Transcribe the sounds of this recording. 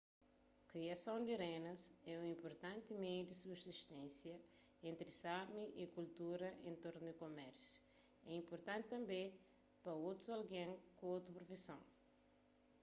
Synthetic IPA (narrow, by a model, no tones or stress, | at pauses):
kɾiɐsɐ̃w̃d̪iɾẽnɐsɛũĩmpoɾt̪ãnt̪imejud̪isubsiʃt̪ẽsjɐ | ẽnt̪ɾisamiʔikult̪uɾɐʔḛ̃nt̪oɾnud̪ɪkomɛɾsju̥ | ɛĩmpoɾt̪ãnt̪ɪt̪ɐ̃mbẽj | pɾɐowt̪ɾuzalɡẽŋkõowt̪ɾupɾofisɐ̃w̃